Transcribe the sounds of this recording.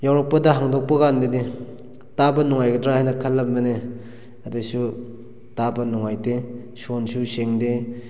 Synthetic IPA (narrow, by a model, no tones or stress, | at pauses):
jawɾak̚pɐdaɦaŋdok̚pɐɡandede | tabɐnɔŋajɡɐdɾahajnɐkʰɐlːɐmbɐne | adesu | tabɐnɔŋajde | sonsuseŋde